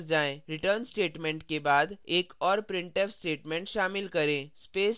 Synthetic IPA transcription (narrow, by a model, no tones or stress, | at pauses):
d͡ʒaːẽɾɪʈəɾnsʈeːʈmẽɳʈkebaːd̪eːkɔːɾpɾɪ̃ɳʈeːpsʈeːʈmẽɳʈʃaːmɪlkɐɾẽːspeːs